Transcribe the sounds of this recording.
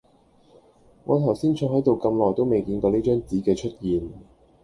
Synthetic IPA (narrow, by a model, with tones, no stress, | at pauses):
ŋɔː˨˧t̪ʰɐ˨˩wsiː˥nt͡ʃʰɔ˨˧˩ɦɐ˨˥jt̪o˨wkɐ˧mlɔː˨jt̪o˥wme˨jkiː˧nkɔː˧liː˥t͡ʃœː˥ŋt͡siː˨˥kɛː˧t͡ʃʰɵ˥t̚jiː˨n